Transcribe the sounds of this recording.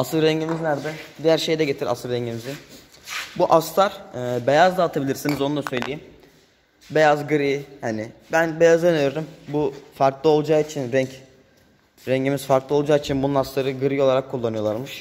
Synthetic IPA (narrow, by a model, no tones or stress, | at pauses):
asɯlɾɛɲɟimiznæɾd̪ɛd̪ijæɾʃe̞jd̪ɛɟe̞t̪ʰiɾa̰sɯlˠɾɛɲɟimizi | buʔast̪ʰaɾ̥ːbejazd̪aːt̪ʰabilʲiɾsinizo̞nud̪ˠasø̞jlʲejim | be̞jazɡɯɾijihanɪbænbe̞jazɯneɾeɾimbufaɾklˠɯo̞lˠd͡ʒaːit͡ʃʰinɾɛɲc | ɾɛɲɟimiz̥faɾklˠɯo̞lˠd͡ʒaːit͡ʃʰinbununast̪aɾɯɡɯɾijo̞lˠaɾakʰːulˠːanɯjolˠaɾmɯʃ